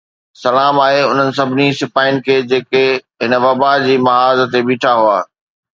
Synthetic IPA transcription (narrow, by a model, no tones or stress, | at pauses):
sɐlaːmaːɦeʊn̤ənɪ̆s̬ɐbʱɪnisɪpaːɪnɪ̆kʰeːd͡ʑeːkeɦɪnəʋɐbad͡ʑiːmɐɦaːz̆t̪ebiːʈʰaɦuaː